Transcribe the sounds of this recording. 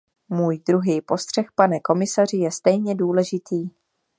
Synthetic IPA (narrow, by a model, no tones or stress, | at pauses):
muːjdɾuɦiːpo̞st̪r̥ɛxpanɛko̞mɪsar̝ɪjɛst̪ɛjɲɛduːlɛʒɪt̪iː